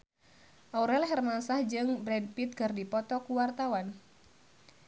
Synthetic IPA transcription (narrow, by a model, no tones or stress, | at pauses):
ʔɔuɾɛlɦɛrmansahd͡ʒɨŋbɾɛdpit̪̚kɨrdipɔt̪ɔkuwart̪awan